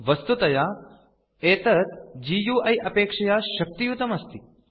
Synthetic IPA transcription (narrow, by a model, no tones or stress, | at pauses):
ʋɐst̪ut̪ɐjaː | eːt̪ɐt̪d͡ʒiːjuːɐjʔɐpeːkʂɐjaːʃɐk̚t̪ijut̪ɐmɐst̪i